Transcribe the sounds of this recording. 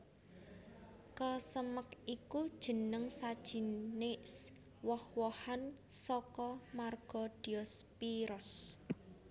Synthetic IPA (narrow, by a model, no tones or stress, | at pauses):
kəsəməkikud̥ʒ̥ə̤nəŋsad̥ʒ̥i̤nes | wɔhwɔhan | sɔkɔmarɡ̥ɔ̤d̥i̤ɔspiɾɔs